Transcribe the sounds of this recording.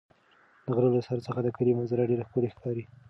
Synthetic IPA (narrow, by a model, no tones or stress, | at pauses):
d̪̥əɣɾəlosaɾt͡səxad̪əkəlimanzaɾaɖeɾaxpolexkɑɾi